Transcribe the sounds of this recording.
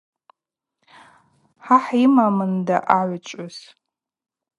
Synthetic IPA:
ħaħimamɨndaʔaʕʷt͡ʃʷʼʊz̥

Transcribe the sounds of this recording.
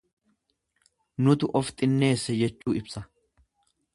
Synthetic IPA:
nʊt̪ʊʔɔft̪ʼɪnːe̞ːsːɛd͡ʒɛt͡ʃːuːɪbsɐ

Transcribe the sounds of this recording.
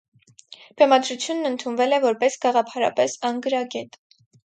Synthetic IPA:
bɛmɑd̪ɾut͡sʰjunːənt̪ʰunvɛlɛvɔɾpɛsɡ̥ɑʁɑpʰɑɾɑ̰pɛsɑŋɡəɾɑɡɛt̪

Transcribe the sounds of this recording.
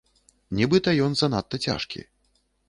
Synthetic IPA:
nʲɛbɨt̪ɐjɔnzɐnat̪ːɐt͡sʲa̰ʂkʲḭ

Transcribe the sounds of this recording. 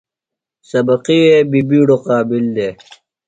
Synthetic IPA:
sɐbɐqiweːbibiːɽoqɑːbild̪eː

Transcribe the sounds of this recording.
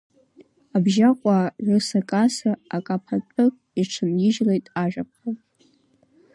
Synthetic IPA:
abʒaqʷʼaʕʷɨsakʼasaakʼapʰatʼɨkʼiʈ͡ʂʰɨnjɪʒlejtʼaʒᶣʷap̚ʰa

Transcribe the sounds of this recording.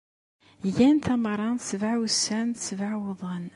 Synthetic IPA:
jænt̪æməɾˤːɑnt̪svaʕwsːænt̪svaʕwəðˤən

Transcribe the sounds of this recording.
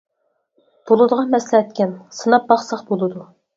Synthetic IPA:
b̥olˠɨd̪əʁɑmɛslɛɛt̪̚kʲɛnsɨnɑp̚bɑχsɑχbolˠɨd̪u

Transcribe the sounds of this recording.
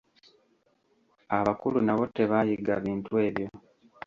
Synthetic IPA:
aβakulunaβo̞te̞βajiɡa̰βiːntue̞ːβjo̞

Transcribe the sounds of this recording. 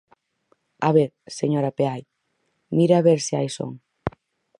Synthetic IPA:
aβeɾ | seɲoɾapeaj | miɾaβeɾseajso̰ŋ

